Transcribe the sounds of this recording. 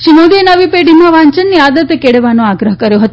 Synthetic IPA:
ʃinod̪inəʋipeɽimãʋaɲt͡ʃənːiad̪ət̪ekeɽeʋanõaɡɾəɦkəɾjoɦət̪

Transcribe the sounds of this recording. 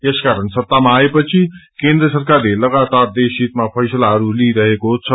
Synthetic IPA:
eskaɾʌnsʌt̪ːamaːepʌt͡sʰikend̪rʌsʌrkarlelʌɡat̪ard̪esit̪mapʰʌjsʌlaɦʌɾuliɾʌɦekot͡sʰʌ

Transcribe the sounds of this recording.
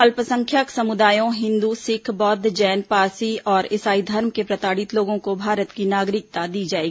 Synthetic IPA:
ɐlpəsə̃ŋkʰjəksɐmʊd̪aːjõɦɪ̃nd̪usɪkʰbɔːd̪ʱd͡ʒɛːnpaːsiɔːɾɪsaːid̪ʱɐɾmkepɾɐt̪aːɽɪt̪loːɡõkobʱaːɾət̪kinaːɡɾɪk̚t̪ad̪iːd͡ʒaːeːɡii

